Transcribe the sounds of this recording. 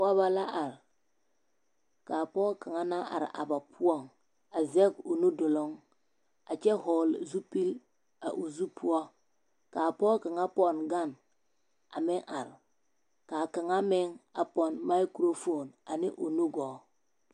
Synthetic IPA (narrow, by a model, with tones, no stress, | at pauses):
a˦βa˦la˦ʔa˨ɾ | kaː˨pɔ˦lka˨ŋa˦na˦ʔa̰˨ɾʔa̰˨ba˨pʰu˦ɔ˦˨ŋ | a˨zɛ˦ɡo˨nu˦dʊ˨lo˦ŋ | a˨t͡ʃɛ˦hɔ˨lzu˦pi˦l | a˨ʔu˨zu˦pʰu˦ɔ˦ | kaː˨pɔ˦lka˨ŋa˦pɔ˦nɡa˦˨n | a˨mɪ˦ŋʔa˨ɾ | ka˨ka˨ŋa˦mɪ˦ŋa˨pɔ˨nma˦kɾo˦fo˦˨na˨nɪ˦ʔo˨nu˦ɡɔ˨